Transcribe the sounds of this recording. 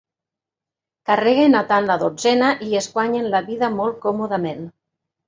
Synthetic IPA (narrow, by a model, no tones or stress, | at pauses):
kareɣenat̪anlaðod͡zɛnaʔieskwaɲenlaβiðamɔlˠt̪̚kɔmoðamen